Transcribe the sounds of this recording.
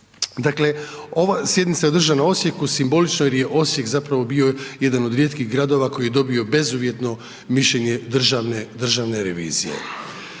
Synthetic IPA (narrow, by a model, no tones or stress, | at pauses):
d̪akle̞o̞ʋasjed̪nit̪sajeod̪r̩ʒanao̞sje̞kusimbo̞lit͡ʃnojeɾje̞ʔo̞sje̞kzapɾaʋo̞bioje̞d̪ano̞d̪ɾjet̪kiɣɡɾad̪o̞ʋako̞jijed̪o̞bio̞be̞zuʋje̞t̪no̞ | miʃʎeɲe̞d̪r̩ʒaʋned̪r̩ʒaʋne̞ɾeʋḭːzijḛ